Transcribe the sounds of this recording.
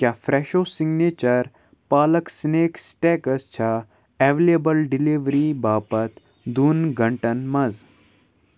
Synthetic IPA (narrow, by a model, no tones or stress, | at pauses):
kʲjaːfɾeːʃoːsiɡneːt͡ʃɐɾ | paːlɐksneːksʈeːkɐst͡ʃʰa | ɛʋelebɐlɖiliʋɾibaːpɐt̪ | d̪unɡʱɐɳʈɐnmɐz